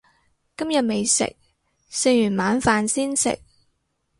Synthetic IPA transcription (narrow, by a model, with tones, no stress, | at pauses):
kɐ˥mjɐ˨t̚me˨jsɪ̰˨k̚ | se˧jyː˨˩nmaː˨˥nfaː˧nsiː˥nsɪ̰˨k̚